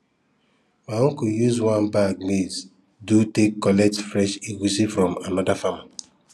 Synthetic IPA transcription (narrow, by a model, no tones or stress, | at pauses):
waõŋkujuzwãnbaɡ̚miz | dutekːɔlɛtfɾɛʃiɡusifɾɔ̃manɔdafama